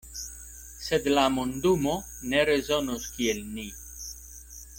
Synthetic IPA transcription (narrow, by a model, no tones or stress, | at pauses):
sed̪lamund̪umo | neɾezonuskielni